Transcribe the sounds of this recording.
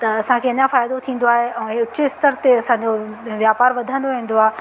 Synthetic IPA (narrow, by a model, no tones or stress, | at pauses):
t̪ɐɐsãkʰeɐɲãfaːjd̪ot̪ʰĩːn̆d̪oaːɦeɛ̃ːɦʊt͡ɕɪst̪əɾt̪eɐsãɲd͡ʑoʋjaːpaːɾʋɐd̪ʱə̃nd̪oʋĩːn̆d̪oaːɦe